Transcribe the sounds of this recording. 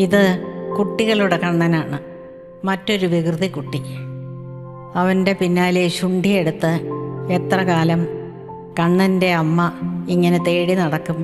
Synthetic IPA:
iðɨkuʈːiɣɐɭuɽe̞kɐɳːɐnaːɳɨ | mɐtːo̞ɾuʋikrðikuʈːi | ɐʋɐnde̞pinːaːleɕuɳɖʱije̞ɽut̪ːɨe̞t̪rɐkaːlɐm | kɐɳːɐnde̞ɐmːɐiŋːɐnet̪e̞ːɽinɐɽɐkːum

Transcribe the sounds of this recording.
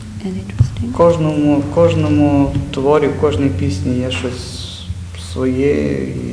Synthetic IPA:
kɔʒnɔmʊkɔʒnɔmʊt̪ʋɔɾʲiwkɔʒnɔjpʲisʲnʲijaʃɔsʲ | sʋɔjḛḭ

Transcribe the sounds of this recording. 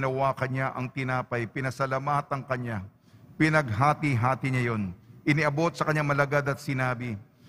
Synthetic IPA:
nɐwakɐɲaʔɐŋt̪ɪnaːpɐjpɪnɐsɐlamaːt̪ɐŋkɐɲa | pɪnɐɡ̚ɦaːt̪iɦaːt̪ɪɲajo̞nʔɪniʔɐbo̞t̪̚sɐkɐɲaŋmɐlɐɡad̪ɐt̪̚sɪnaːbɪ

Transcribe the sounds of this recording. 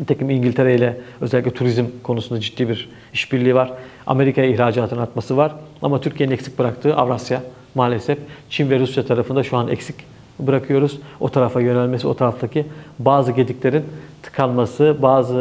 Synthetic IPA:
bt̪ʰecimiɲɟilʲt̪ʰe̞ɾejilʲɛø̞zɛlʲːicʲlʲɛt̪ʰuɾizmkʰo̞nusund̪ad͡ʒit̪ːiːbiɾ | iʃbiɾlʲiːvaɾ̥ | a̰me̞ɾikʰajaihɾaːd͡ʒaːt̪ʰɯnɯnat̪masɯvaɾa̰mat̪ʰyɾcʰijeninɛcsi̥c̚bɯɾakt̪ʰɯːʔa̰vɾasja | maːlʲesɛft͡ʃʰinvɛɾusjat̪ʰaɾafɯnd̪aʃuanɛ̰csi̥c | bɯɾakʰɯjo̞ɾuz̥o̞̰t̪ʰaɾafajø̞nælʲme̞sio̞t̪ʰaɾaft̪ʰacʰibaːzɯɟe̞d̪icʲlʲe̞ɾint̪ʰɯ̥kʰalˠmasɯbaːzɯ

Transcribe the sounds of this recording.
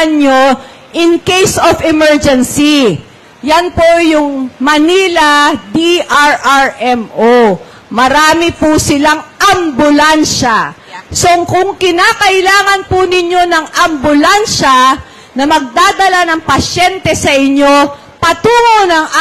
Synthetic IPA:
ɲo | ʔɪŋkejsofɛmɛɹd͡ʒɛnsi | janpojʊŋmɐniːlad̪iʔaɹʔaɹʔɛmʔo | mɐɾaːmɪpʊsɪlaŋʔɐmbʊlanʃa | so̞ŋkʊŋkɪnaːkɐʔɪlaːŋɐnpʊnɪɲo̞nɐŋʔɐmbʊlanʃɐ | nɐmɐɡ̚d̪aːd̪ɐlanɐŋpɐʃɛnt̪ɛsɐʔɪɲːo̞ | pɐt̪uːŋonɐŋ

